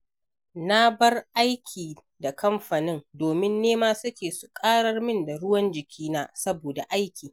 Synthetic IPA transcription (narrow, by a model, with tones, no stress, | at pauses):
na˦bɐ˦rʔa˦jkʲʰiː˨ | da˨kʰɐ˦mɸa˨nɪ˦ndoː˨mɪ˦nːeː˦maː˦sʊ˦kʲeː˨su˨kʼaː˦ɽɐ˦rmɪ˦nda˨ɽʊ˦wɐ˦nd͡ʒɪ˨kʲʰiː˦naː˦sɐ˦boː˨da˨ʔa˦jkʲiː˨